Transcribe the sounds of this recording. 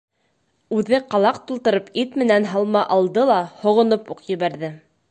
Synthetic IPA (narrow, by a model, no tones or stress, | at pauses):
ʉðɘqɑlˠɑqt̪ulˠt̪ɤ̆ɾɤpit̪mɘ̆nænɦɑlˠmɑʔɑlˠd̪ɤlˠɑhŏʁŏnopuqjɘ̆βæɾðɘ